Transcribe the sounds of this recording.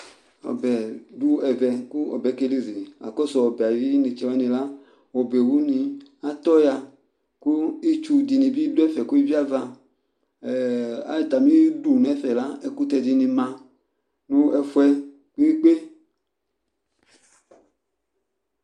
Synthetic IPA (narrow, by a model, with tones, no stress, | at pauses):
ɔ̰˨bɛ˨du˦ɛ˨vɛ˨ku˦ɔ̰˨bɛ˨˦ke˦li˦zi˨a̰˨kɔ˦sɔ˨ɔ˨bɛ˨a˨vi˦ne˨t͡ʃɛ˨a˦nĩ˨la˦ | wɔ˨be˨wu˦nĩ˧a˨t̪ɔ˦ja˧ | ku˦i˦t͡ʃu˧di˨nĩ˨bi˦du˦ɛ˦fɛ˨ku˦i˦vi˦a˦va˧˨ | a̰˦i˨t̪a˨mĩ˦du˨n˨ɛ˦fɛ˨la˦ɛ˦ku˦t̪ɛ˧di˧nĩ˧mã˧ | nũ˦ɛ˦fu˦ɛ˦ | k͡pi˦i˦k͡pe˦